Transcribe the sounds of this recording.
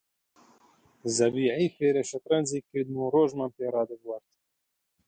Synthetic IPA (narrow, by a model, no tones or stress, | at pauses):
zɐbiːʕɛjfeːɾɛʃɛt̪ɾɛnziːkɨɾd̪nuːroːʒmɑnpeːɾɑːd̪ɨbwɑɾt̪